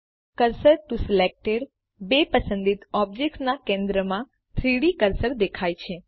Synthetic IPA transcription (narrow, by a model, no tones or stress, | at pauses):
kəɾsəɾʈusilek̚ʈeɽ | bepəsə̃nd̪it̪ɔb̚d͡ʒeksnakẽnd̪ɾəmã | t̪ʰɾiɽikəɾsəɾd̪ekʰajt͡ʃʰe